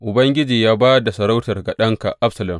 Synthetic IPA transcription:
ʔʊ˨bɐ˦ŋɡʲɪ˦d͡ʒiː˨jaː˦baː˦da˨sɐ˨ɾa˦wtɐ˨rɡa˨ɗɐ˦ŋka̰˨ʔa˦bsɐ˨lɐ˨m

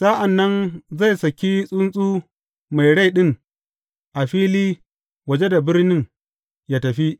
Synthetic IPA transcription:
sa˦ʔa˨nːɐ˦nza˦˨jsɐ˨kʲi˦sʼʊ˦nsʼuː˦ | ma˨jɽa˦˨jɗɪ˦ŋ | ʔa˨ɸiː˦liː˦ | wɐ˨d͡ʒe˦da˨bɪ˦rnɪ˦ŋ | jaː˦tɐ˨ɸi˦ʔ

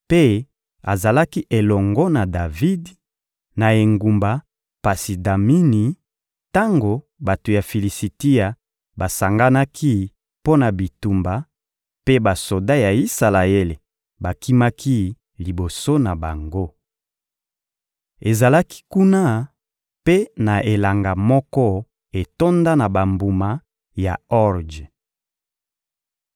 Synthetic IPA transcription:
pe˦ | a̰˨za˨la˦ki˦ʔe˨lɔ˨ŋɡɔ˦na˨da˨vi˦d | na˨e˨ŋɡu˨mba˨ | pa˨si˨da˨mi˦ni˨ | ta˦ŋɡo˨ | ba˨to˨ja˨fi˨li˨si˨ti˦ja˨ | ba˨sa˨ŋɡa˦na˦kʰi˦ | po˦na˨bi˨tu˨mba˨ | pe˦ba˨so˨da˦ja˨i˦sa˨la˨e˦le˨ | ba˨ki˦ma˦kʰi˦ | li˨bo˨so˦na˨ba˨ŋɡo˦ | e˨za˨la˦ki̥˦ku˦na˦ | pe˦na˨ʔe˨la˨ŋɡa˨mɔ˦kɔ˦ | e˨to˦nda˦na˨ba˨mbu˨ma˨ | ja̰˨ɔ˦ʁd͡ʒ

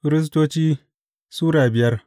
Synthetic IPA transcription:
fɾɪ˦s̬toː˦t͡ʃiː˦ | suː˦ɽaː˨bɪ˨jɐ˦r

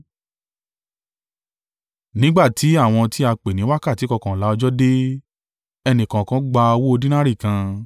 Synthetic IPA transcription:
nĩ˨˦ɡ͡ba˦˨tʰi˨˦a˦˨w̃ɔ̃˧ti˦a˧k͡pe˨nĩ˨˦wa˦ka˦˨ti˨˦kɔ˧kɔ̃˨la˨˦ɔ˧d͡ʒɔ˦de˦ | ɛ˧nĩ˨kã˨kã˨˦ɡ͡ba˧o˧wo˦o˧dĩ˦nã˦ɾi˦˨kã˧

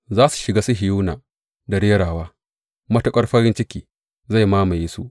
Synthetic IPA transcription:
zaː˦su̥˨ʃɪ˨ɡaː˦su˦ɦɪ˨juː˦naː˨ | da˨ɽɪ˦jɐ˦ɽaː˨waː˦ | mɐ˦tʊ˦kʼɐ˦rɸɐ˦ɾɪ˦nt͡ʃɪ˦kʲiː˨ | za˦˨jmaː˦ma˨jeː˦sṵ˦ʔ

